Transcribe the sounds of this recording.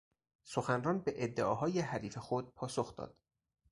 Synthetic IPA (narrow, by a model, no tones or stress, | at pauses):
soxænrɒːnbeʔed̪ːeɒːɦɒːjeɦæɾiːfe̞xod̪̚pʰɒːsoxd̪ɒ̰ːd̪̥